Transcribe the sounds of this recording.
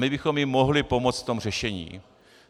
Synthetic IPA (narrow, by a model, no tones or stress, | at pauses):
mɪbɪxo̞mjɪmo̞ɦlɪpo̞mo̞t͡st̪t̪o̞mr̝ɛʃɛɲḭː